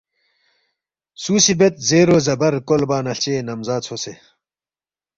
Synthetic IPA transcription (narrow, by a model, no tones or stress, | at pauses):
suːsibet̪̚zeːɾoːzɐbɐɾkolbaːnɐɬt͡ɕeːnɐmzaːt͡sʰose